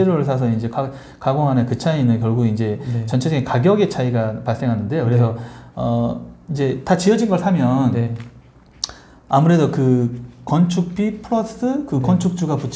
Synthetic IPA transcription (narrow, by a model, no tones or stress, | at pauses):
eɾoɾɯɭsʰas̬ʰʌind͡ʑe̞ka | kaɡoŋɦanekɯt͡ɕʰainɯnkjʌɭɡuɡind͡ʑe̞t͡ɕʌnt͡ɕʰed͡ʑʌɡikaɡjʌɡe̞t͡ɕʰaiɡapaɭs͈e̞ŋɦanɯnde̞jokɯɾe̞sʰʌʌind͡ʑe̞tat͡ɕiʌd͡ʑinɡʌɭsʰamjʌn | amuɾe̞dokɯkʌnt͡ɕʰuk̚p͈ipʰuɾʌs͈ɯkɯkʌnt͡ɕʰuk̚t͡ɕ͈uɡaput͡ɕʰ